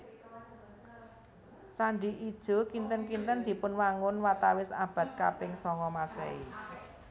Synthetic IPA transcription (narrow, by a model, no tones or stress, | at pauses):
t͡ʃaɳɖi̤ʔid̥ʒ̥o̤kint̪ənkint̪ənd̪̥i̤pʊnwaŋʊnwat̪awɪsab̥ä̤t̪̚ka̰pɪŋsɔŋɔmasɛ̰i